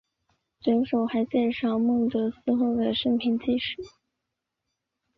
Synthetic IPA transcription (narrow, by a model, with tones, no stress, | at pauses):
ʈ͡ʂə˧˥nʂo˨˩ʊxa˧˥ɪt͡ɕjɛ˥˧nʂɑ˥˧ʊmɤ˥˩ŋt̪ɤ˧˥sɹ̩˥xo˥˩ʊd̪ə˩ʂə˥ŋpʰi˧˥nt͡ɕi˥ʂɻ̩˥˩˦